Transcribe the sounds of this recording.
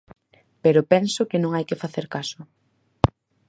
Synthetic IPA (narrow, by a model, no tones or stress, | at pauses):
peɾʊpɛnsʊkɪnõŋajkɪfaθeɾkasʊ